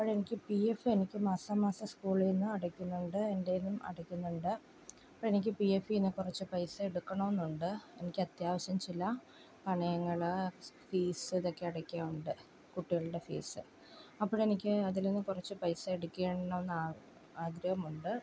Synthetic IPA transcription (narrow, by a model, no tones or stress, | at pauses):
ɐpːoɻe̞nikʲːɨpiefɨe̞nikʲːɨmaːsɐmaːsɐskuːɭlinːɨɐɽɐkʲːunːuɳɖɨe̞nde̞nːumɐ̰ɽɐkʲːunːuɳɖɨ | ɐpːoːɭenik̬ʲːɨpiefiinːɨkurɐt͡ɕːɨpɐjsɐeɽukːɐɳoːenːuɳɖɨe̞̰nikʲːɐt̪jaːʋɐɕjɐmt͡ɕilːɐ | kɐɳɐjɐŋːɐɭfiːsɨðo̞kːe̞ɐɽɐkʲːaːmuɳɖɨ | kuʈːiɣɐɭuɽe̞fḭːsɨ̰ | ɐpːoːɻe̞nikʲːɨɐðilinːɨkurɐt͡ɕːɨpɐjsɐeɽukʲːeːɳnːɐenːaː | aːɡɾɐʋɐmuɳɖɨ